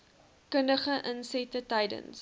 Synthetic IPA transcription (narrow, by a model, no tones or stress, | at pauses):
kəndəχəʔənsɛtətɐjdə̰ns